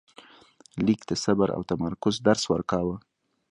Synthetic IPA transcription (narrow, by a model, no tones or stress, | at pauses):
likd̪asabaɾʔa̰wt̪amaɾkʊzd̪aɾswəɾkɑwə